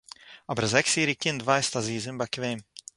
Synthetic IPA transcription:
abɾzɛksiːɾikʲɪnd̪vajst̪aziːzɪmbakʲvɛjm

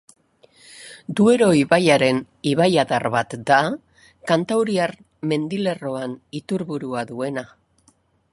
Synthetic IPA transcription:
d̪ue̞ɾo̞iβajaɾe̞n | iβajaðaɾβat̪d̪a | kant̪awɾiaɾ | me̞nd̪ile̞ro̞anit̪uɾβuɾuaðue̞na

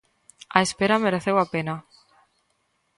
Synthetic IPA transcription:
aespeɾameɾeθewapena

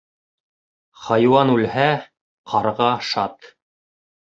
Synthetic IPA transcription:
χɑjwɑnʉlhæ | qʰɑɾʁɑʃɑt̪

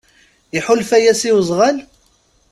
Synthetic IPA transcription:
ɪħʊlfæjæsiwzˤʁal

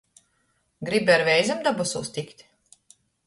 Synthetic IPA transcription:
ɡɾibiaɾvʲɛjzamd̪abɔsuːst̪ʲikt̪ʲ

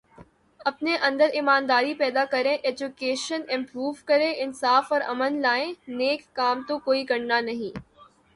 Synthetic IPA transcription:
ɐpneʔɐ̃nd̪əɾɪmaːnd̪aːɾipɛːd̪akɐɾẽʔeːd͡ʒʊkeːʃənɪ̃mpɾuːʋkɐɾẽʔɪnsaːfɔːɾɐ̰mənlaːẽneːkːaːmt̪okoːikɐɾnanɐɦĩː

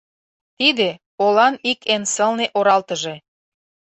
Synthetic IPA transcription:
t̪id̪e | olɑnikensə̆lneʔoɾɑlt̪ə̆ʒe

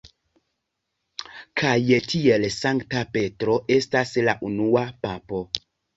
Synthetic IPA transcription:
kʰajetʰie̞lsaŋktape̞tɾo̞ʔe̞staslaʔunuapapo̞

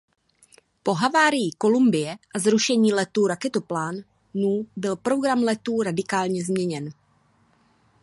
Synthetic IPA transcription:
po̞ɦavaːɾɪjiko̞lumbɪjɛʔazɾuʃɛɲiːlɛt̪uːɾakɛt̪oplaːnː | uːbɪlpɾo̞ɡɾamlɛt̪uːɾadɪkaːlɲɛzmɲɛɲɛn

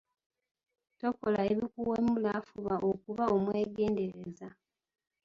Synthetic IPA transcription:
to̞ko̞laeβikuwemulafuβaʔo̞kuβao̞mwe̞ːɡe̞ːnde̞ɾe̞za

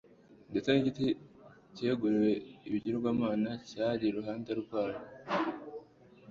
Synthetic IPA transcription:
det͡seniɟiti | ce̞ːɡuɾiɾe̞iβiɟiɾobɡwaːmaːnacaːɾiɾuɦaːndaɾuɡwaːjo

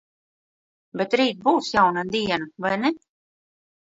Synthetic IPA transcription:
bɛt̪ɾiːt̪̚buːsjawnad̪iɛnvajnɛ

